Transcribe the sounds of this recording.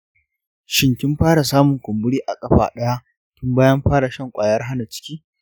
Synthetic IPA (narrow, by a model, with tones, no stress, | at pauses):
ʃɪ˦ŋkʲɪ˦mɸaː˦ɽa˨saː˦mʊ˨ŋkʷʊ˨mbʊ˦ɽiː˦ʔa˨kʼɐ˦ɸa̰ː˨ɗɐ˦ja˦ | kʲɪ˦mbaː˦jɐ˦mɸaː˦ɽa˨ʃɐ˦ŋkʷʼaː˨jɐ˦rɦa˦na˨t͡ʃɪ̥˦kʲiː˦